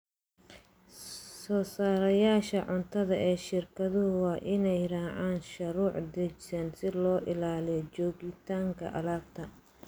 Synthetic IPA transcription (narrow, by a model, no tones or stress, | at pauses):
sɔːsaːɾɐjaːʃɐʕʊnt̪ʰɐðɐʔɛːʃɪrkʰɐðʊɦʊwɑːʔɪnɛjɾaːʕaːnʃɐɾuːʕd̪ɛt͡ʃsɐnsɪlɔːʔɪlaːlijɔt͡ʃɔːɣɪt̪ʰaːŋkʰɐ̰ʔɐlaːb̚t̪ʰɐ